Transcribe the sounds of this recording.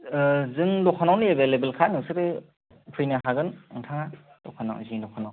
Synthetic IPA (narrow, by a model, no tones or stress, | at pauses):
zɯŋdɔkʰanawniebelebelkʰanɯksɯbɯ | pʰɾijnahaɡɯnɯŋtʰaŋa | dɔkʰana̰wziŋdɔkʰanaw